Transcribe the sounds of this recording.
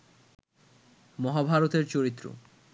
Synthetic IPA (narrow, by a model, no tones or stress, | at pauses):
mɔɦabʱaɾot̪eɾt͡ɕoɾit̪ːɾo̰